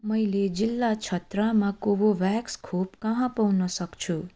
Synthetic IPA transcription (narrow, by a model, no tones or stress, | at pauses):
mʌjled͡zilːat͡ʃʰʌt̪ɾamakoboʋakskʰopkãɦãpawnʌsʌkt͡sʰu